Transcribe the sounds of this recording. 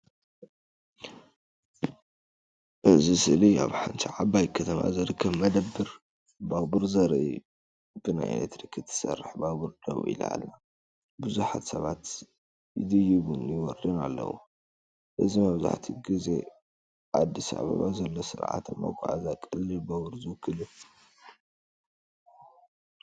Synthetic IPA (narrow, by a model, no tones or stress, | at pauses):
ʔɨzisɨlia̰βħant̪ʰiʕabajkʰɐt̪ʰɐma̰zɨɾɨkʰːɐβmɐd̪ɐbːɨɾ | babɨɾzɐɾʔi | b̥ɨna̰jḛlet̪ɾikʰːɨt̪ʰːɨ̥sɐ̰rːħbabuɾd̪ɐ̰β̰ʔḭl̰ʕa̰lna | bɨzuħat̪sɐβat̪ | jɪd̪ɨjɪβunjɪwɔɾd̪inalːɐ̰wṵ | ʔɨzimɐβza̰ħt̪ʰiɡize̞̰ | ʔad̪ːisa̰βa̰βazɐlːosɨ̰ɾʕa̰t̪ama̰ɡʷʼa̰ʕazakʼɨlːɨbaβɨɾzɨwkʰːɨlu